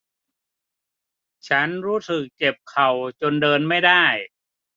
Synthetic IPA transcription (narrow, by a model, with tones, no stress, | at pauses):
t͡ɕʰa˦˥nɾuː˦˥sɯ˨˩k̚t͡ɕe˨˩p̚kʰa˨˩wt͡ɕo˧ndɤː˧nma˥˩jdaː˥˩j